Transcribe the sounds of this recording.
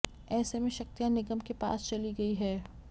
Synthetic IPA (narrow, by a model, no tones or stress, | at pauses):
ɛːsemẽʃɐk̚t̪ijãnɪɡəmkepa̰ːst͡ʃɐliɡɐiɦɛː